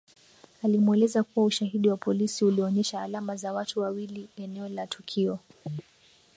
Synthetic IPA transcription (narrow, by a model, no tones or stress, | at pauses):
alimuɛlɛzakuwauʃahiɗiwapɔlisiuliɔɲɛʃaːlamazawatuwawiliɛnɛɔlatʰukʰiɔ